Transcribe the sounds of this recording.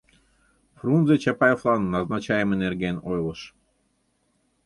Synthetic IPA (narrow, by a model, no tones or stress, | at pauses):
frunzet͡ɕɑpɑjoflˠɑnːɑznɑt͡ɕɑjəmenerɡʲenojlˠɤʃ